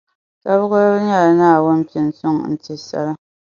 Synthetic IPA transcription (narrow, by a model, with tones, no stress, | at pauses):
ta˦bʊ˦ʊ˦ɲa˦˨la˨naː˦˨wʊ˦m̩˦pi˨n˨sʊ˦ŋn̩˨ti˨sa̰˦la˦